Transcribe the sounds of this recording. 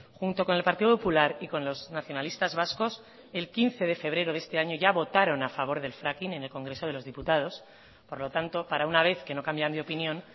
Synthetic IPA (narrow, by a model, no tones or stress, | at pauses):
xunt̪o̞ko̞ne̞lpaɾt̪iðopopulaɾiko̞nlo̞znaθjo̞nalist̪azβasko̞s | e̞lkin̟θe̞ð̞e̞fe̞β̞ɾe̞ɾo̞ðest̪e̞aɲo̞ʝaβo̞t̪aɾo̞nafaβ̞o̞ɾðe̞lfɾakine̞ne̞lko̞ŋɡɾe̞so̞ð̞e̞lo̞zðiput̪að̞os | po̞ɾlo̞t̪ant̪o̞paɾaunaβ̞e̞θke̞no̞kambjand̪eopinjõ̞n